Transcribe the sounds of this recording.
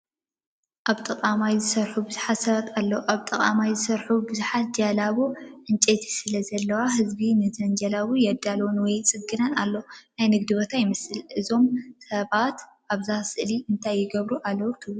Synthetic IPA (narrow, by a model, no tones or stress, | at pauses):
ʔaβt̪ʼɐqʼamajzɨsɐɾħubɨzuħat̪sɐβat̪ʰalːoʔaβt̪ʼɐkʼamajzɨsɐɾħubɨzuħat̪̚d͡ʒalaβuʕɨnt͡ʃʼet̪ʰi̥sɨlɐzɐlːɐwaɦɨzbinɨzɐnd͡ʒalaβujɛd̪alonwɔjt͡sʼɨɡːɨnɐnalːonajnɨɡ̚d̪ɨbot̪ʰajɪmɐsɨlʔɨzo̞msɐβat̪ | ʔaβzasɨʔliʔɨnt̪ʰajːɪɡɐβɾuʔalːɐwut̪ʰɨwu